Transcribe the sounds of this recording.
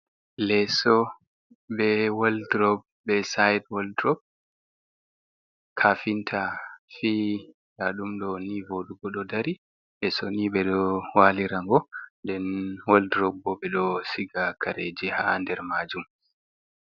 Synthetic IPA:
lɛsɔ | ɓɛwaldɾɔb̚ | bɛsajdwɔldɾɔb̚ | kʰaːfintʰafi | laɗumɗɔnivoɗuɡɔɗɔdaɾi | ʔɛsɔniɓɛɗɔwaliɾaŋɡɔndɛnwaldɾɔbːɔɓɛɗɔsiɡakʰaɾed͡ʒihandɛɾmaːd͡ʒum

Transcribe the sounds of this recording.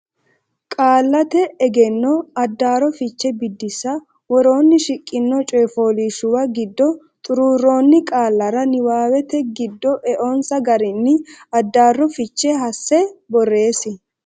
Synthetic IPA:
kʼaːlːɐt̪ɛːɡɛnːɔɐd̪ːaːɾɔfɪt͡ʃːɛbɪd̪ːɪsɐ | wɔɾo̞ːnːɪʃɪkʼːɪnːɔt͡ʃʼɔjfoːliːʃʊwɐɡɪd̪ːɔ | t̪ʼʊɾuːrːo̞ːnːɪkʼaːlːɐɾɐnɪwaːwɛt̪ɛɡɪd̪ːɔʔɛʔonsɐɡɐɾɪnːɪɐd̪ːaːrːɔfɪt͡ʃːɛɦɐsːɛbɔrːe̞ːsɪ

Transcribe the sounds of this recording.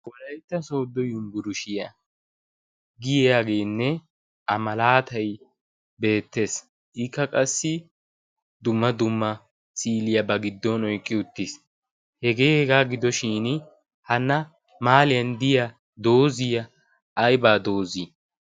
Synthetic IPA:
wɔlɐjt̪ːɐso̞ːd̪ːɔjʊmɡʊɾʊʃɪjɐ | ɡɪjjaːɡe̞ːnːɛ | ʔɐmɐlaːt̪ɐj | be̞ːt̪ːe̞ːs | ʔɪkːɐkʼɐsːɪ | d̪ʊmːɐd̪ʊmːɐ | sʼiːlɪjɐbɐɡɪd̪ːɔnɔjkʼːɪʊt̪ːɪs | hɛɡe̞ːhɛɡaːɡɪd̪ɔʃiːn | hɐnːɐ | maːlɪjɐnd̪ɪjɐ | d̪o̞ːzɪjɐ | ʔɐjbaːd̪o̞ːzi

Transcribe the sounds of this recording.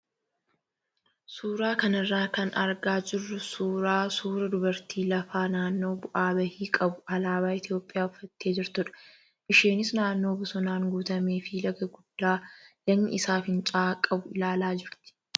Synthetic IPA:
suːɾaːkɐnɐrːaːkɐnɐɾɡaːd͡ʒɪrːʊsuːɾaːsuːɾɐd̪ʊbɐɾt̪ʰiːlɐfaːnaːnːo̞ːbʊʔaːbɐhiːkʼɐbʊɐlaːbaːɪt̪jo̞ːpʼːɪjaːʊfːɐt̪ːe̞ːd͡ʒɪɾt̪ʊᶑɐ̥ | ʔɪʃe̞ːnɪsnaːnːo̞ːbʊsɔnaːŋɡuːt̪ɐmeːfilɐɡɐɡʊd̪̥ːaːlɐnːɪ̰ɪsaːfɪnt͡ʃʼaːkʼɐbʊɪlaːlaːd͡ʒɪɾt̪ɪ̥

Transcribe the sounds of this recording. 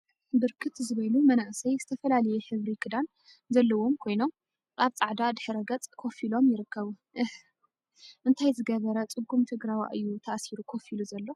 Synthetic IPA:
bɨɾkʰɨt̪zɨβɐlumɐnaʔsɐjzɨt̪ʰɐfɐlalɐjɛħɨβɾikʰɨd̪an | zɐlːɐwo̞mkʰo̞jno̞m | ʔaβt͡sʼaʕd̪ad̪ɨħɨɾɐɡɐt͡sʼkʰo̞filo̞mjɪɾɨkːɐβu | ʔɨ | ʔɨnt̪ʰajzɨɡɐβɐɾɐt͡sʼɨɡːumt̪ʰɨɡɾawa̰ʔɨjːut̪ʰaʔsiɾukʰo̞filuzɐlːo̞

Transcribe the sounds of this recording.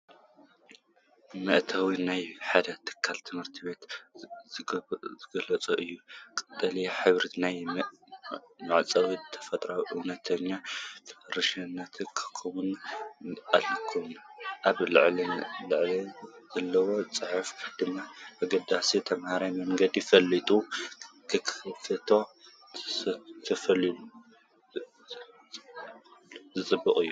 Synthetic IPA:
mɨʔt̪ʰɐwinajħad̪ɐt̪ʰɨ̥kʰːalt̪ʰɨmhɨɾt̪ʰibe̞t̪ | zɨɡɐlɐt͡sʼuʔɨjːukʼɨt̪ʼːɐliħɨβɾinaj | mɨʕt͡sʼɐwit̪ʰɐ̥fɐt̪ʼɾawʔunɐt̪ʰɐɲːatʰɾɨʃɐnːɐt̪ʰkʰɐ̥kʰːomun | alkʰumʔaβlɨ̰ʕlilɨʕliz̥ɐlːɐwo̞t͡sʼɨħɨfd̪̥ɨmːaʔaɡɐd̪asit̪ʰɐmhaɾajmɐŋɡɐd̪ifɐlːit̪ʼukʰɨkʰfɐt̪ʰo̞ | t̪ʰɐfɐlilu | zɨt͡sʼɨbːɨkʼɨjːu

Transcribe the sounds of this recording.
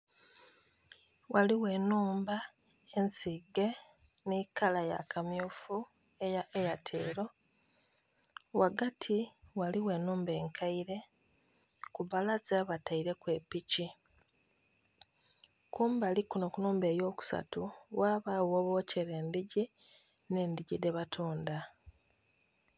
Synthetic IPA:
waliwe̞ːnuːmba | e̞nsiɡe̞ | nikalaja̰kʰamjuːfu | ejaejatʰḛːɾo̞ | waɡatʰiwaliwe̞nuːmbe̞ːŋkʰaiɾe̞ | kuβalazaβataiɾe̞kwe̞pici | kuːmbalikuno̞kunuːmbe̞ːjo̞ːku̥sa̰tuwaːβawo̞βo̞ce̞ɾe̞ːndiɟi | ne̞ːndiɟide̞βatʰuːnda

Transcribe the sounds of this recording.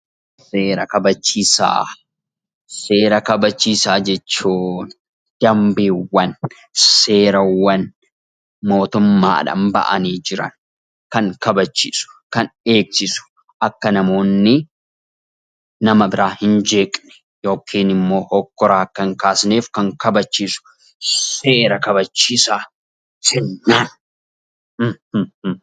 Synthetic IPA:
seːɾɐkɐbɐt͡ʃːiːsa̰ː | se̞ːɾɐkɐbɐt͡ʃːiːsaːd͡ʒɛt͡ʃːuːn | d̪̥ɐmbiːwɐn | se̞ːɾɐwɐn | mo̞ːt̪ʊmːa̰ːᶑɐ̰mbɐ̰ʔɐ̰niːd͡ʒɪɾɐ̰n | kɐŋkɐbɐt͡ʃːḭːsʊ̥kɐne̞ːksɪsʊ̥ | ʔɐkːɐnɐmo̞ːnːɪ | ɐmɐbɪɾaːhɪnd͡ʒeːkʼnɛ̥ | jo̞ːkʰiːnɪmːo̞ːhɔkːɔɾaːkːɐŋkaːsneːfkɐŋkɐbɐt͡ʃːiːsʊ̥ | se̞ːɾɐkɐbɐt͡ʃːiːsaː | sɛnːan

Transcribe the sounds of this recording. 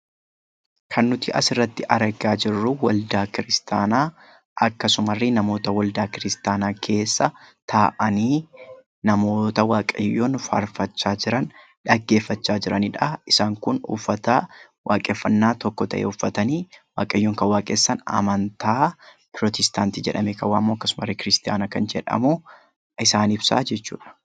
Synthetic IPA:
kʰɐnːʊt̪iːʔɐsɪrːɐt̪ːɪʔɐɾɐɡaːd͡ʒɪrːʊwɐld̪aːkɪɾɪst̪ʰaːnaː | ʔɐkːɐsʊmɐrːɪnɐmo̞ːt̪ɐwɐld̪aːkɪɾɪst̪aːnaːkʰe̞ːsːɐt̪ʰaːʔɐniː | nɐmo̞ːt̪ɐwaːkʼɐjːoːnfɐ̰ɾfɐt͡ʃːaːd͡ʒɪɾɐn | ᶑɐɡːe̞ːfːɐt͡ʃːaːd͡ʒɪɾɐniːᶑɐɪsaːŋkʊnʊ̰fːɐt̪a | wʔaːkʼeːfːɐnːaːt̪ɔkːɔt̪ɐ̰ʔḛʊfːɐt̪ɐniːwa̰ːkʼɐjːoːŋkɐwaːkʼeːsːɐnɐ̰mɐnt̪aː | pɪɾɔt̪ɛst̪aːnt̪iːd͡ʒɛᶑɐmeːkɐwːaːɐmːoːɐkːɐsʊmɐrːɪkɪɾɪst̪ɪja̰ːnakɐnd͡ʒɛᶑɐ̰mu | ɪsaːnɪbsa̰ːd͡ʒɛt͡ʃːṵːᶑɐ̥

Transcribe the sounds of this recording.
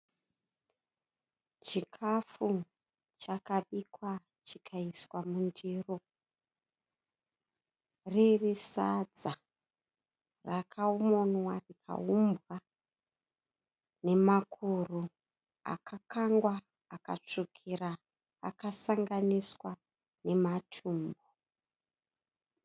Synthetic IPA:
t͡ʃikʰafu | t͡ʃakaɓikwa | t͡ʃikʰaiswamundiːro | ririsad͡za | rakʰaumonwarikʰa̰umbwa | ne̞makʰuru | a̰kʰakaŋɡwaː | ka̰t͡ʂukʰiɾa̰ː | kasaŋɡaniswa | ne̞matʰuːmbo

